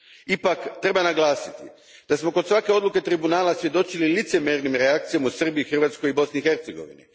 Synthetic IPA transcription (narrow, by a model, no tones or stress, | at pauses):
ipakt̪ɾe̞banaɡlˠaːsit̪i | d̪̥asmo̞kod̪sʋake̞o̞d̪luke̞t̪ɾibunaːlasʋje̞d̪o̞t͡ʃililit̪se̞meɾnimɾeak̚t̪sijomusr̩biixr̩ʋat̪sko̞jibo̞sniːxe̞ɾt̪seɡo̞̰ʋḭnḭ